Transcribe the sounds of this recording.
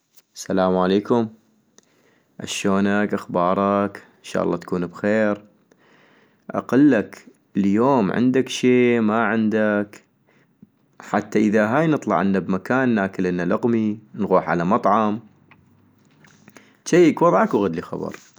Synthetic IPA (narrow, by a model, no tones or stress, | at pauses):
salaːmʕaleːkʊm | ʔa̰ʃoːnakʔaxbɑːɾˤɑk | ɪnʃa̰ːʔɑ̰lˤːɑːt̪kuːnbxeːɾ | ʔa̰qɑlːak | əljoːmʕɪ̰nd̪akʃeːmaʕɪnd̪ak | ħat̪ːaʔəðaɦaːjnɨt̪ˤlɑ̰ʕɪnːabmakaːnːaːkɪlʔɪnːalaɣminɣuːħʕa̰lamɑt̪ˤʕɑm | ʃajkwɑðˤʕɑkwɣad̪lixa̰bɑ̰ɾˤ